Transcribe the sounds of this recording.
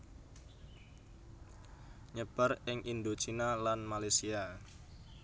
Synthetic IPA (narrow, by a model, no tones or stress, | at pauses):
ɲəb̥a̤rɪŋʔind̪ot͡ʃinalanmalasia